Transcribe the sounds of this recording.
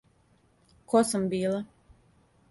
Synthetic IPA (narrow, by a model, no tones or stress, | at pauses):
kosambiːla